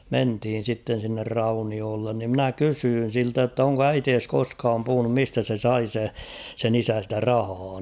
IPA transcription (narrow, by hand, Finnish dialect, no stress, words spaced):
menthiːn̞ sitːen̞ sinːer rɑunioːlːen ni mnæ kysyːn̞ siltæ jotːɑ oŋko æiteːs koskɑːm puhunum mistæ se sɑi se sen isæ stæ rɑhɑː